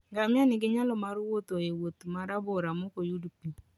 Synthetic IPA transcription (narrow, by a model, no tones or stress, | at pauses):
ŋɡamɪanɪɡɪɲalɔmaɾwot̪oewot̪maɾabɔɾamokojudpi